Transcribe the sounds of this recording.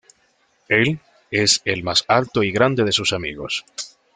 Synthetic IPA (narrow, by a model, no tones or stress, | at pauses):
el | eselmasalt̪oiɣɾand̪e̞ðe̞susamḭɣo̞̰s